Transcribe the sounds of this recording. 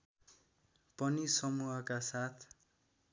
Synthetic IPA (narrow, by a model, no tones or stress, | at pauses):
pʌnisʌmuɦʌkasat̪ʰ